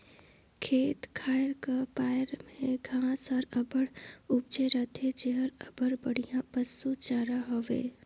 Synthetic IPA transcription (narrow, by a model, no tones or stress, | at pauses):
kʰeːt̪kʰaːɪɾkapaːjɾmẽɡʱãːsɔɾəbəɽup̚d͡ʒeɾət̪ʰed͡ʒeɦəɾəbəɽbəɽ̤ijãbəsːut͡ʃaɾaɦoʋḛ